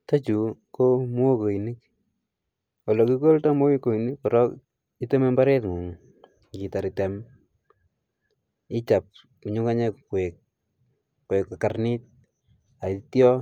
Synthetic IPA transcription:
ta˦t͡ʃu˨ko˦mu˦o˦ko˨ini˦k | wa˨lɔ˨ki˦ko˦lta˦mo˦ko˨i˨ni˦kpɔ˨ɾɔ˦k | i˦te˦me˦mba˦ɾe˦tŋu˨ŋ | ki˨ta˨ɾi˨tɛ˨m | i˦t͡ʃa˨p̚ | ku˨ɲu˦ka˦ɲe˦kkwe˨k̚ | kwekːa˨ka˨rni˦t̚ | a˨tjɔ˦

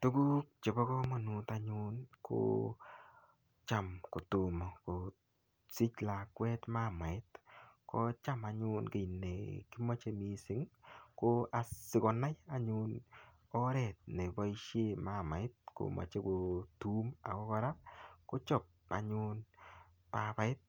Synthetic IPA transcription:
tu˦ɡu˦k̚t͡ʃe˨bɔ˦kɔ˦mɔ˨nu˨ta˨ɲʊ˦nkʰo̰ | t͡ʃa˦˨mko˨tu˨mɔ˨ko˨ | si˦t͡ʃla˨kwɛ˦tma˦˨ma˨ɪ˦tkʰɔ˦t͡ʃa˦ma˨ɲʊ˦nke˨i˨nːḛ˨ki˦mo˦t͡ʃe˦mi˨˦sɪ˦ŋko˦a˨sɪ˨kɔ˨na˦ja˨ɲʊ˦n | ɔ˦ɾɛ˨t̚ne˨bɔ˦i˦ʃe˦˨ma˦˨ma˨ɪ˦t̚ko̰˨ma̰˨t͡ʃe˦ko˨tu˦ma̰˨kɔ˦kɔ˦ɾa˦ko˦t͡ʃɔ˦˨p̚a̰˨ɲʊ˦n | pa˨ba˨ɪ˦t̚

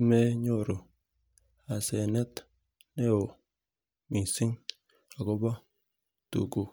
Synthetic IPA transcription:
me˦ɲo˦˨ɾo˨ | a˨se˨ne˦t̪ | ne˦o˨ | mĩ˨si˦ŋ | a˨ɡo˦ba˦ | t̪ṵ˨ɡu˦

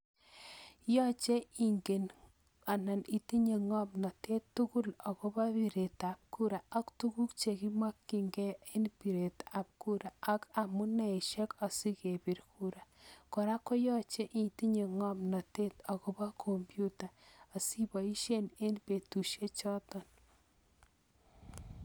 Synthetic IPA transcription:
jɔ˦t͡ʃe˦i˨ŋɡe˨n | a˨na˨ni˨ti˦ɲe˨ŋɔ˦mnɔ˨te˦tːu˦ku˦la˨ɣo˦ba˦βi˨ɾe˨ta˨p̚ku˦ɾa˨a˦ktu˦ɡu˦kt͡ʃe˨ki˦mwa˦kːi˨ŋɡe˦e˦npi˨ɾe˨ta˨p̚ku˦ɾa˨a˦ka˨mu˦nɛ˨e˨ʃe˦kɔ˨si˦ke˨bi˨ɾkʰu˦ɾa˨kɔ˨ɾa˦kɔ˦jɔ˦t͡ʃe˦ʔi˨ti˦ɲe˨ŋɔ˦mnɔ˨te˦t̪a˨ko˦ba˦kʰo˨mbju˦ta˨a˨si˦bɔ˨i˦ʃe˦ne˦npe˨tu˨ʃe˦t͡ʃɔ˦tɔn

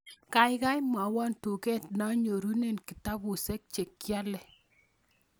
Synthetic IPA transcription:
ka˨jka˦jma˨wa˦ntu˨kɛ˦tna˦ɲo˨ɾu˦ne˦˨nki˨ta˦bu˨sɛ˦k̚t͡ʃe˨kːja˦lɛ˨

